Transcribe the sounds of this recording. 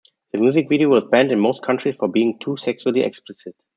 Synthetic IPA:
ðəmjuːzɪkviɾiowɔzbæ̃ndɨ̃nmoʊskʰãntʰɹ̥isfɔ˞biːɪ̃ŋtʰuːsɛksuəlˠiʔɛ̰ksplɪsɪt̚

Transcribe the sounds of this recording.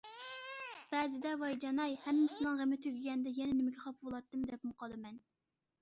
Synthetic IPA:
b̥ɛzɪd̪ɛvɑjd͡ʒɑnɑjhɛmːɪsɨnɨŋʁəmɪt̪ʰyɡʲɡʲɛnd̪ɛjɛnɛnɪmɪɡʲɛχɑpbolˠɑt̪ːɨmd̪ɛp̚mʊqʰɑlˠdɨmɛn

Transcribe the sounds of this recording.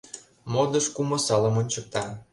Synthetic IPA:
mod̪əʃkumə̆sɑlə̆monʲt͡ɕək̚t̪ɑ

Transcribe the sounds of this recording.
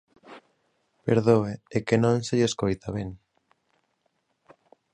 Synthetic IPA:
peɾðoeekenõŋseʎeskojt̪aβeŋ

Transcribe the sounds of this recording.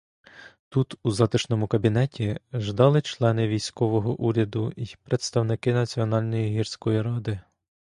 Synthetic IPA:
t̪ut̪uzɑt̪ɪʃnɔmʊkɐbʲinɛtʲiʒd̪ɑlˠɪt͡ʃlˠɛnɪʋʲijsʲkɔʋɔɦɔʔuɾʲɐd̪ʊipɾet̪st̪ɐwnɪkɪnɐt͡sʲiɔnɑlʲnɔjiɦirsʲkɔjiɾɑd̪ɪ

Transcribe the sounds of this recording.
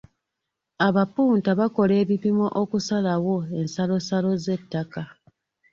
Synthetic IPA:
aβapuːntaβako̞le̞ːβipimo̞ʔokusalawo̞e̞nsalo̞salo̞ze̞tːaka

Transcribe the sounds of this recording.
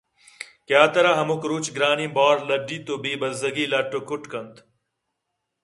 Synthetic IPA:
kjaːt̪ɐɾaɦɐmukɾuːt͡ɕɡɾaːnĩbaːɾlɐɖiːt̪obiːbɐzɐɡiːlaʈːokʰuʈkɐnt̪

